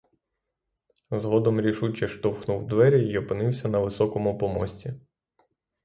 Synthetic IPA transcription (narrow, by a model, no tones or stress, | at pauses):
zɦɔd̪ɔmɾʲiʃut͡ʃɐʃt̪ɔwxnuwd̪ʋɛɾʲiiɔpɪnɪwsʲɐnɐʋɪsɔkɔmʊpɔmɔsʲtʲi